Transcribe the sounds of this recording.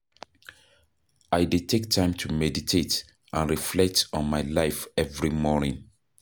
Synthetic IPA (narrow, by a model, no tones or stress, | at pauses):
aɪdetʰek̚tʰãɪ̃mtʰumɛditʰet | ʔãnɹiflɛk̚tɔ̃nmaɪlaɪfɛvɹimɔnḭ̃ŋ